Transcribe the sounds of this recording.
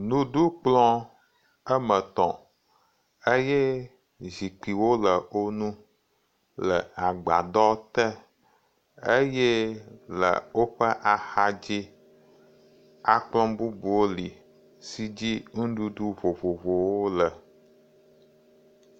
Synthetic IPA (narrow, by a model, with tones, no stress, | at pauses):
nũ˦ɖu˦k͡plɔ̃˦ | ə˦mə̃˨t̪ɔ̰̃˨ | e˦je˦ | zi˨k͡pi˨wo˦lə˨o˦nũ˦ | lə̰˨a˨ɡ͡ba̰˨d̪ɔ˦t̪ɛ˦ | e˦je˦lə̰˨wo˦ɸə˦ʔa˨xa˦d͡ʑi˦ | a˨k͡plɔ̃˦bu˦bu˨wo˦li˨ | si˨d͡ʑi˦ŋũ˦ɖu˦ɖu˦vo˨vo˨vo˨wo˦lə˨